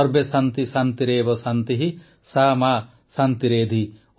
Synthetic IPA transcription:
ɔɾbesant̪isant̪iɾeːbɔsant̪iɦi | sama | sant̪iɾeːd̪ʱi

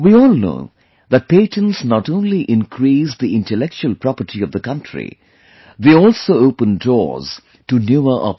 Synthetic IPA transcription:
wiɔːlno̰ʊ | ðæt̚peɪʈə̃nsnɑʈõʊ̃nliʔɪ̃nkʰɾisd̪iɪ̃nʈəlɛk̚t͡ʃuəlpɾɑpəʈiʌvd̪əkʌ̃ntʰɹḭ | ðeɔlˠsoːoʊpə̃ndɔ̰ːɹz̥ | ʈunjuə˞ʔɑ̰p

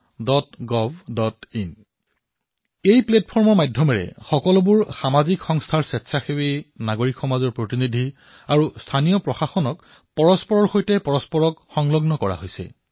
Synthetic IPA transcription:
dɔtɡɔvdɔtin | ejpletpʰɔɹmɔɹmajdʱjɔmɛɹɛ̰xɔkɔlɔbuɹxamazikxɔŋstʰaɹsɛtsʰaxewinaɡoɹikxɔmazɔɹpɹotinidʱi | aɹustʰanijɔpɹɔxaxɔnɔk | pɔɹɔspɔɹɔɹxojtɛpɔɹɔspɔɹɔkxɔŋlɔɡnɔkɔɹa̰ɦojsɛ̰

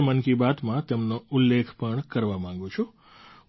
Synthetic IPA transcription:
mənkibat̪mãt̪emnoʊlːekʰpəɳkəɾʋamãŋ̆ɡũt͡ʃʰɔ

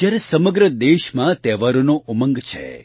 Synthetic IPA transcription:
d͡ʒjaɾesəməɡɾəd̪eʃmãt̪ɛʋaɾonoʔuməŋɡt͡ʃʰḛ

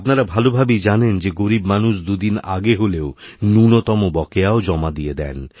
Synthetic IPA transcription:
apnaɾabʱalobʱabid͡ʑanend͡ʑeɡoɾibmanuʃd̪ud̪ina̰ɡeɦoleonunot̪ɔmobɔkeaod͡ʑɔmad̪ijed̪ɛ̰n

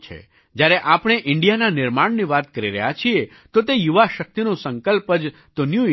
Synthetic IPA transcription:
t͡ʃʰḛ | d͡ʒjaɾeʔapɽ̃eʔɪɳɖijananɪɾmaɽniʋat̪kəɾiɾə̰ɦjat͡ʃʰie | t̪ot̪ejuʋaʃək̚t̪inõsə̃ŋkəlpəd͡ʒt̪onju

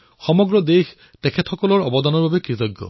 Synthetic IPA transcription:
xɔmɔɡɹɔd̪ex | t̪ɛkʰetxɔkɔlɔɹɔbɔd̪ɔnɔɹbabekɹit̪ɔɡːɔ̰

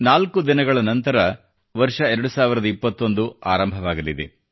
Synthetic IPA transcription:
naːlkud̪inɐɡɐɭɐnɐnt̪ɐɾɐ | ʋɐɾʂɐɛɾɐɽusaːʋiɾɐd̪ɐipːɐt̪ːo̞nd̪uaːɾɐmbʱɐʋaːɡɐlid̪ḛ

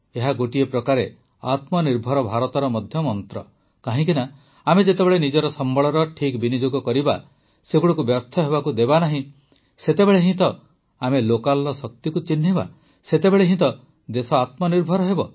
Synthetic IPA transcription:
eɦaɡoʈiepɾɔkaɾe | a̰t̪mɔniɾbʱɔɾɔbʱaɾɔt̪ɔɾɔmɔd̪ʱjɔmɔnt̪ɾɔ | kaɦĩk̬ina | amed͡ʒet̪ebeɭenid͡ʒɔɾɔsɔmbɔɭɔɾɔʈʰikbinid͡ʒoɡɔkɔɾiba | seɡuɽɔkubjɔɾt̪ʰɔɦebakud̪ebanaɦĩ | set̪ebeɭeɦĩt̪ɔ | amelokalːɔsɔk̚t̪ikut͡ʃin̤ːiba̰ | set̪ebeɭeɦĩt̪ɔ | d̪esɔat̪mɔniɾbʱɔɾɔɦebɔ

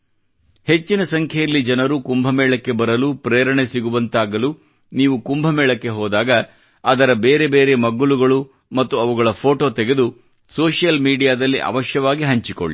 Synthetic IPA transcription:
he̞t͡ʃːinɐsɐŋkʰɛjɐlːid͡ʒɐnɐɾukumbʱɐmɛːɭɐkːe̞bɐɾɐlupɾeːɐɾɐɳe̞siɡuʋɐnt̪aːɡɐlu | niːʋukumbʱɐmɛːɭɐkːe̞ɦɔːd̪aːɡɐː | d̪ɐɾɐbeːɾe̞beːɾe̞mɐɡuɭuɡɐɭu | mɐt̪ːuɐʋuɡɐɭɐpʰo̞ːʈoːt̪ɛɡe̞d̪u | soːʂijɐlmiːɖijaːd̪ɐlːiʔɐ̰ʋɐʃjɐʋaːɡiɦɐɲt͡ʃiko̰ɭːi

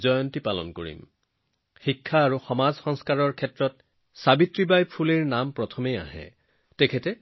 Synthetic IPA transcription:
zɔjɔntipalɔ̰nkoɹḭm | xikʰːaːɹuxɔmazxɔŋskaɹɔɹkʰɛtɹɔt̚ | sabitɹibajpʰuliɹnampɹɔtʰɔmeja̰ɦɛ̰ | tɛkʰɛtɛ

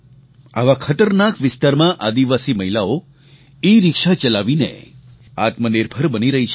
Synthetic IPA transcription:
a̰ʋakʰət̪əɾnakʋɪst̪aɾmãʔad̪iʋasiməɦilao | iɾɪkʃat͡ʃəlaʋinḛ | a̰t̪məniɾbʱəɾbəniɾəɦit͡ʃʰ

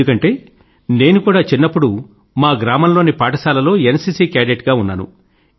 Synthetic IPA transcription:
ukɐɳʈe̞ː | ne̞ːnukuːɽaːt͡ʃinːɐpːuɽu | maːɡɾaːmɐmlo̞ːnipaːʈɐsaːlɐlo̞ːenɐsiːsiːkaːɖeʈɡaːunːaːnṵ

